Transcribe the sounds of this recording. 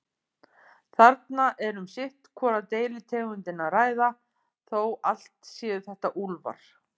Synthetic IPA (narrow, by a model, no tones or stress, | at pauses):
θaɾt̪naʔɛɾʏmsɪht̪kʰvɔːɾat̪eːjlɪt̪ʰɛːɣʏnt̪ɪnaðraːjða | θowal̥t̪sjɛːðʏθɛht̪aʔulva̰ɾ̥